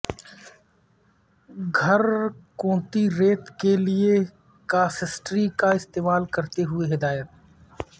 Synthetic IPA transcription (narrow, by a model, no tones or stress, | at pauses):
ɡʱɐɾkõːt̪iɾeːt̪kelie | kaːsɪsʈɾikaɪst̪eːmaːlkɐɾt̪eɦʊeɦɪd̪aːjət̪̚